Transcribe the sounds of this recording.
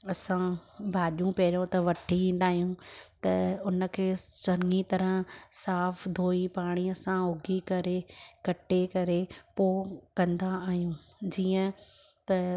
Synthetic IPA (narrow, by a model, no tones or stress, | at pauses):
ɐsãbʱaːɗjũpɐɾijõt̪ɐʋɐʈʰiʋĩːn̆d̪aːɦijũt̪ɐʊnə̆kʰeːsɐɾŋit̪ɐɾə̃ɦsaːfd̪ʱoːipaːɽ̃iɐsãʊɡʱikɐɾekɐʈekɐɾepoːkɐ̃nd̪aaːɦijũːd͡ʑiːə̃t̪ɐ